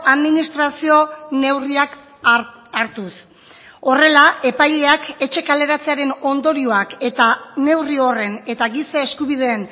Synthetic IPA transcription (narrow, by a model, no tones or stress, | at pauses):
ʔaðminist̪ɾasio̞ne̞wriak | aɾt̪us | o̞re̞laʔe̞pajʎe̞ake̞t͡ʃe̞kale̞ɾat͡se̞aɾe̞no̞nd̪o̞ɾioake̞t̪ane̞wrio̞re̞ne̞t̪aɣisaeskuβiðe̞ːn